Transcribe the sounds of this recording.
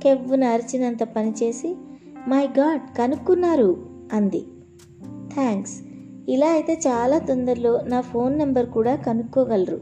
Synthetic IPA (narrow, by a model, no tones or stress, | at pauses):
ke̞ʋːunɐːɾit͡ʃinɐnt̪ɐpɐnit͡ʃe̞ːsimɐjɡaːɖkɐnukːunːaːɾuɐnd̪ḭ | t̪ʰaːŋks | ilaːɐjit̪e̞ːt͡ʃaːlaːt̪ond̪ɐɾlo̞ːnaːpʰo̞ːnːɐmbɐɾkuːɽaːkɐnukːɔːɡɐlɐɾu